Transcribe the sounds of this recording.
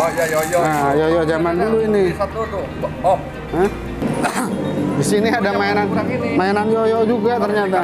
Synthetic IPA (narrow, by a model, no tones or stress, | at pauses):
ajɔjɔʔzamanduluini | ə | disiniadamaɛnanmaɛnanjɔjɔʔd͡ʒuɡat̪ərɲat̪̬a